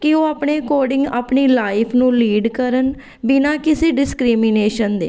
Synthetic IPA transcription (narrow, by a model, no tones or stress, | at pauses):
kɪoːaːpɳeːkoːɖɪ̃ŋɡa̰ːpɳiːlaːɪpʰnũːliːɖkəɾən | bɪnãːkɪseːɖɪskɾiːmɪneːʃənd̪ḛː